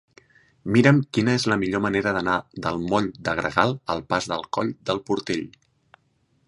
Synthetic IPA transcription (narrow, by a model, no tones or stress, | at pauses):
miɾəmkinəezləmiʎoməneɾəðənaðəlˠmɔʎd̪əɣɾə̰ɣalˠəlˠpazðəlˠkɔʎd̪əlˠpuɾt̪eʎ